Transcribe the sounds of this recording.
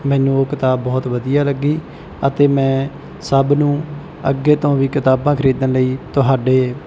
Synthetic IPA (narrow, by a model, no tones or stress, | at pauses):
mɛ̃ːnũːoːkɪt̪aːbːɔːt̪ʋəd̪ijaːləɡːiː | ət̪eːmɛ̃ː | səbnũː | əɡːeːt̪õːʋiːkɪt̪aːbãːkʰəɾiːd̪ənləiːt̪ʊɦaːɖeː